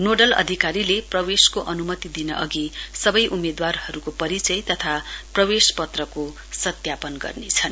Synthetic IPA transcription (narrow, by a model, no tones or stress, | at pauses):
noɖʌlʌ̰d̪ʱikaɾileprʌweskoʔʌnumʌt̪id̪inʌ̰ʔʌɡisʌbʌjʔumed̪warhʌɾukopʌɾit͡sʌjt̪ʌt̪ʰaprʌwespʌt̪rʌko | sʌt̪japʌnɡʌ̰rnet͡sʰʌn